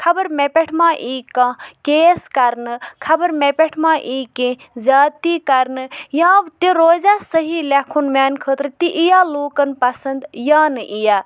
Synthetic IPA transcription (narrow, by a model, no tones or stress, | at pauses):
kʰɐbɐɾmepʲeʈʰmãːʔiːkãːkeːskɐɾnɨkʰɐbɐɾmepʲeʈʰmãːʔiːkẽ | zʲaːt̪iːkɐɾnɨjãːt̪iɾoːzaːsəɦilʲɐkʰunmaːnkʰəːt̪ɾt̪iʔijaːloːkɐnpɐsɐnd̪jãːnɨʔijaː